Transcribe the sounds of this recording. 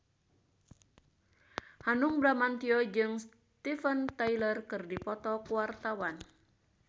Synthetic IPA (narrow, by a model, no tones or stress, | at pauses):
hanuŋbɾamant̪iɔd͡ʒɨŋs | t̪ifənt̪ajlərkɨrdipɔt̪ɔkuwart̪awan